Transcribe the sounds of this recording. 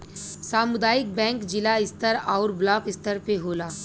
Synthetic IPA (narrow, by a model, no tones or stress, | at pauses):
saːmʊd̪aːɪk̚bɛ̃ːŋkd͡ʒɪlaɪst̪əɾaʊɾblaːkɪst̪əɾpeɦoːlaː